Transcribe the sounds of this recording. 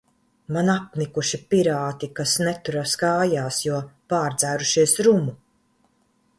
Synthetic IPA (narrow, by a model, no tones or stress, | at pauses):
manap̚nikuʃipiɾaːt̪ikasnɛt̪uɾaskaːjaːsjuɔpaːɾd̪z̥æːɾuʃiɛsɾumu